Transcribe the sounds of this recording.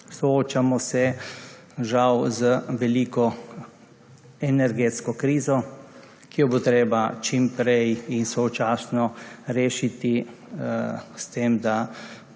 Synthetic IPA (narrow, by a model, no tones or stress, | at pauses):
sɔoːt͡ʃamɔsɛ | ʒawzəʋɛliːkɔ | ɛnɛɾɡeːt̪skɔkɾiːzɔ | kijɔbot̪ɾeːbat͡ʃimpɾɛjinsɔwt͡ʃaːsnɔɾeːʃit̪i | st̪eːmd̪a